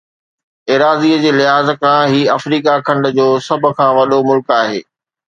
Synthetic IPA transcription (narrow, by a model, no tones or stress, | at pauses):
eːɾaːziːəd͡ʑeːlɪɦaːzkãːɦiːɐfɾiːkakʰɐ̃ɳɖə̆d͡ʑoːsɐbʱʊ̆kʰãːʋɐɗomʊlkaːɦḛː